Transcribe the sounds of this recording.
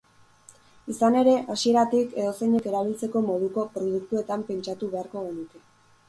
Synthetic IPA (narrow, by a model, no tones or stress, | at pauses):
isane̞ɾe̞ʔasie̞ɾat̪ike̞ðo̞sejɲe̞ke̞ɾaβ̞ilt͡se̞ko̞mo̞ðuko̞pɾo̞ð̞uk̚t̪ue̞t̪ampe̞nt͡ʃat̪uβe̞aɾko̞ɣe̞nuke̞